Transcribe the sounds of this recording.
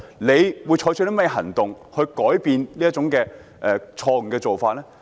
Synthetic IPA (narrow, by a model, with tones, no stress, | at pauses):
ne˨˧jwuː˨˧jt͡ʃʰɔː˧˥jt͡ʃʰɵ˧˥lm˥jɛ˧ɦɐ˨˩ŋt̪ʊ˨ŋ | hɵ˧ɥkɔː˨˥jpiː˧nliː˥t͡sʊ˨˥ŋkɛː˧ | ʔɛ˨t͡ʃʰɔː˧ŋ̩˨˩kɛː˧t͡so˨wfaː˧t̚lɛ˥